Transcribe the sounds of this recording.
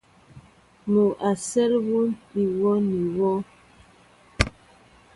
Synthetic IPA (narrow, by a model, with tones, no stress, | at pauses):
mo˨ʔa˨sɛ˦lwu˦n˦pi˨wɔ˦ni˨wɔ˦